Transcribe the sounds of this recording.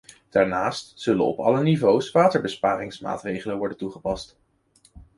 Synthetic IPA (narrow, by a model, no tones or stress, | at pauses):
d̥aːɹnaːstsɵlə̰nɔ̰pɑ̰lənivowsʋaːtəɹbəspaːɾɪŋsma̰ːtrejχələnʋɔɹdəntuχəpɑst